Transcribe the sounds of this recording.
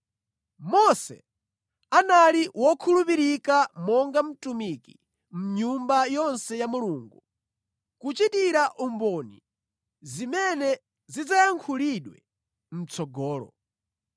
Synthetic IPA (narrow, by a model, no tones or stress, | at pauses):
mɔsɛ̰ | analiwɔkʰulupiɾikamɔŋɡam̩tumiki | m̩ɲumbajɔnsɛjamuluːŋɡu | kut͡ʃitiɾaʔumbɔnḭ | zimɛnɛ | zid͡zajaŋkʰuliɗwɛ̰ | m̩t͡sʰɔɡɔːlɔ̰